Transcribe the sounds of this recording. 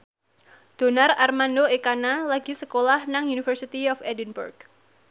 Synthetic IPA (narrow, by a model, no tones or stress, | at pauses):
d̪̥o̤nararmandoekanalaɡ̥i̤səkolahnaŋjunifərsit̪iɔfɛdinbṵrɡ